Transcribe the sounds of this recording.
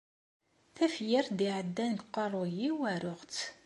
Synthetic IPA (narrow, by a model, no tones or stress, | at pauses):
θæfjɪɾd̪iʕəd̪ːænɡqːɑrˤojiwæɾʊʁt͡s